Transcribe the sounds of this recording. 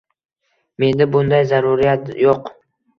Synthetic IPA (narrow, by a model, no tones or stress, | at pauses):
me̞nd̪ɪbʊnd̪ajzaɾuɾijat̪joq